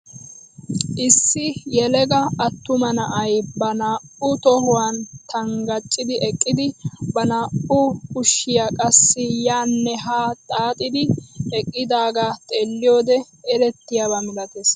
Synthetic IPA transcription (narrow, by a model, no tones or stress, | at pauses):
ʔɪsːɪjɛlɛɡɐɐt̪ːʊmɐnɐʔɐjbɐnaːʔʊt̪ɔhʊwaːnt̪ʰɐŋɡɐt͡ʃʼːɪd̪ɪʔɛkʼːɪd̪ɪbɐnaːʊkʊʃːɪjakʼɐsːɪjaːnːɛɦaːt̪ʼaːt̪ʼɪd̪ɪɛkʼːɪd̪aːɡaːt̪ʼeːlːɪjoːd̪ɛ | ɛɾɛt̪ːɪjabamɪlɐt̪es